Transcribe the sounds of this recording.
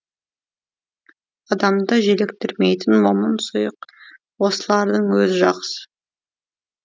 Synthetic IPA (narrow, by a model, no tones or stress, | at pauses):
ɑd̪ɑmd̪əʒelekt̪ɪɾme̞jt̪ɪnwomənsʊjəq | wo̞səlˠɑɾd̪əɴwɵzɪʒɑqsə̥